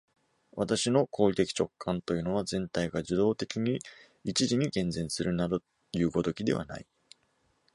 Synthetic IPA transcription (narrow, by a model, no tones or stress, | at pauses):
βat̪aɕino̞kʰo̞ːɾʲit̪e̞kʲi̥t͡ɕo̞kʰːãnt̪o̞jɯ̟ːno̞β̞azẽ̞nt̪aiɡaʑid̪o̞ːt̪e̞kʲiɲ̟i | it͡ɕiʑiɲ̟ikẽ̞nd͡zẽ̞ɰ̃sɨɾɯ̟nad̪o | jɯ̟ːɡo̞t̪o̞kʲid̪e̞βa̰na̰i